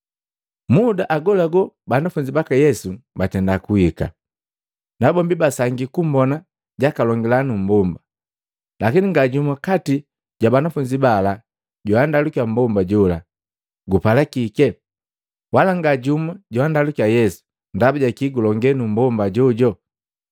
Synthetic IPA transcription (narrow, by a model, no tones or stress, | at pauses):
mudaʔaɡɔlaɡɔ | banafuɲd͡ʒibakajɛsubatɛndakuika̰ | nabɔmbibasaŋɡikumbɔna | ɟakalɔŋɡɛlanum̩bɔmba | lakiniŋɡaɟumwakati | ɟ̥wabanafuɲd͡ʒibala | ɟɔandalukiam̩bɔmbaɟɔla̰ | ɡupalakikɛ | walaŋɡaɟumaɟɔwandalukiajɛsu̥ | ndabaɟakiɡulɔŋɡɛnum̩bɔmbaɟɔɟɔ